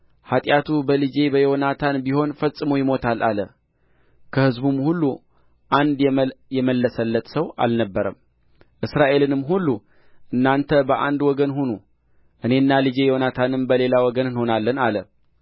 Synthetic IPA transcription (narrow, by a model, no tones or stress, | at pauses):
hat̪ʼjat̪ʰubəlɨd͡ʒe̞bəjɛonat̪ʰanbiho̞nfəsʼːɨmojɪmo̞t̪ʰalʔalə | kʰəhɨzbumhulːu | ʔand̪jɛməlːəsəlːət̪səwa̰lnəbːəɾəm | ʔɨsɾaʔe̞lɨnɨmːɦulːu | ʔɨnːant̪ʰəbəʔa̰nd̪wɔɡənhunu | ʔɨne̞ɨnːalɨd͡ʒe̞jonat̪ʰanɨmbəle̞lawɔɡənɨnho̞nalːənalə